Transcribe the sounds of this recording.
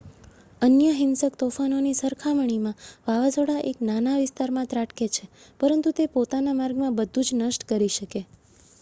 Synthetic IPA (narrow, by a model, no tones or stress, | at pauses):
ənjəɦɪnsəkt̪ofanonisəɾkʰaməɳ̃imãʋaʋad͡ʒoɽaʔeknanaʋɪst̪aɾmãt̪ɾaʈket͡ʃʰepəɾənt̪ut̪epot̪anamaɾɡmãbəd̪ʱːũd͡ʒnəʃʈkəɾiʃəke